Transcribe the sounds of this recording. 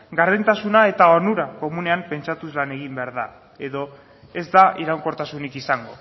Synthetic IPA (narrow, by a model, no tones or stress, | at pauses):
ɡaɾðent̪asunae̞t̪aonuɾako̞mune̞ampe̞nt͡ʃat̪uzlane̞ɣ̞imbe̞aɾða | e̞ðo̞ | e̞zd̪aiɾawŋko̞ɾt̪asunikisaŋɡo̞